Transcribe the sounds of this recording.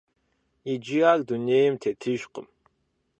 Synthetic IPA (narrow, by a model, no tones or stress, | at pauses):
id͡ʒiakd̪unejmtʰetʰɨʒqə̰m